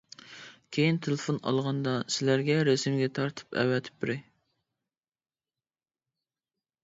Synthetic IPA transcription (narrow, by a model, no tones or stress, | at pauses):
kʲʰejint̪ʰelˠɪfonɑ̰lˠʁɑnd̪ɑsɪlæɾɡʲɛɾesmɡʲɛt̪ʰɑɾt̪ʰɨ̥pɛ̰wɛt̪ʰɪ̥p̚b̪ɪɾɪ